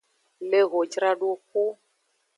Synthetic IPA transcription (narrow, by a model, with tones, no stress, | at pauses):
le˦ɣo˨d͡ʒɾa˦ɖu˦ku˦